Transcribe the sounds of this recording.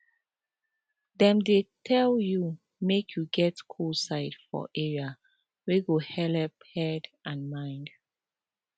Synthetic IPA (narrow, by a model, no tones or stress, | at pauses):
dɛ̃mdetʰɛlju | mekʰjuɡɛtkʰulsaɪtfɔ̰ʔɛɹia | weɡohɛlɛphɛdʔãnmãɪ̃nd